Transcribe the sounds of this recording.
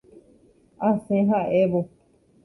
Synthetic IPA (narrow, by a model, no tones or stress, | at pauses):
asẽɦaʔeʋo